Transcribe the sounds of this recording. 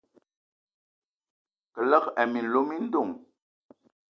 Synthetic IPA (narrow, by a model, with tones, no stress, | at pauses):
kə˨lə˦kɛ˨mi˨n̩˨lo˦mi˦n̩˦du˦˨ŋ